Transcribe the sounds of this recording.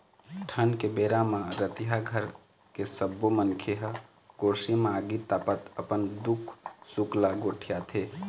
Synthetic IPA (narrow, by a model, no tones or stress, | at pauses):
ʈʰənkebeɾamaɾət̪iɦaɡʱəɾ | kesəbːomənkʰeɦə | koɾsimaɡit̪apət̪əpənd̪ukʰsuklaɡoʈʰijat̪ʰe